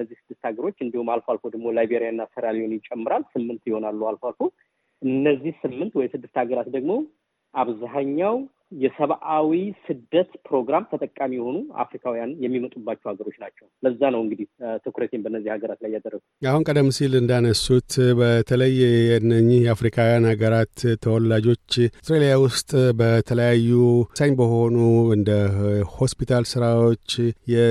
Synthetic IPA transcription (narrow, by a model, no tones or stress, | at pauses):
əzːihsɨd̪ːɨst̪haɡəɾo̞t͡ʃːɨnd̪ihumalfoalfod̪əɡmo̞lajbeɾijanːasəɾalihonjɪt͡ʃʼːɛmːɨɾalsɨmːɨnt̪jɪho̞nalːualfalfo | ʔɨnːəzːihsɨmːɨnt̪wɔjɛsɨd̪ːɨst̪haɡəɾat̪d̪əɡmo̞ | ʔaβzaɦaɲːaw | jɛsəβʔawisɨd̪ːət̪pʰɾo̞ɡɾamt̪ʰət̪ʼəkʼːamijɛho̞nua̰fɾikʰawijanjɛmːimət̪ʼubːat͡ʃːɛhaɡəɾo̞t͡ʃːnat͡ʃːɛwləzːanəwɨŋɡɨd̪iht̪ʰɨkuɾət̪ʰembənːəzːihaɡəɾat̪lajːad̪ərːəɡuahunkʼəd̪əmːsilɨnd̪anəsut̪bət̪ʰələjːjɛnːəɲːɪhjɛafɾikʰawijanhaɡəɾat̪ʰːəwɔlːad͡ʒo̞t͡ʃːsɾelijawʊst̪ʼbət̪ʰələjajːusajɲbəho̞nuɨnd̪əho̞spit̪ʰalsɨɾawo̞t͡ʃːjɛ